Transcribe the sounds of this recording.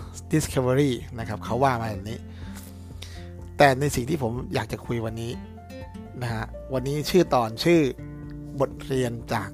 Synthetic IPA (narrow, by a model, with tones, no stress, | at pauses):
di˨˦˥skʰa˧wa˧ɾiː˥˩na˦˥kʰa˦˥p̚kʰa˦˥wːaː˥˩maː˧bɛː˨˩p̚niː˦˥ | t̪ɛː˨˩na˧jsi˨˩ŋt̪ʰiː˥˩pʰo˩˦mjaː˨˩k̚t͡ɕa˨˩kʰu˧jwa˧nːiː˦˥ | na˦˥kʰa˦˥ʔwa˧nːiː˦˥t͡ɕʰɯː˥˩t̪ɔː˨˩nt͡ɕʰɯː˥˩ | bo˨˩t̪̚ɾi˧ənt͡ɕaː˨˩k̚